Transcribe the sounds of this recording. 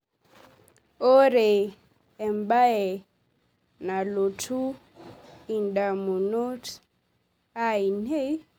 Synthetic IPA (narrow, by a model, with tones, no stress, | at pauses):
ɔ˦ɾɛ˨ | ɛ˨mba˦ɛ˨ | na˨lo˨tʰu˦ | i˨nda˨mu˨nɔ˦t | a˦i˨ne˦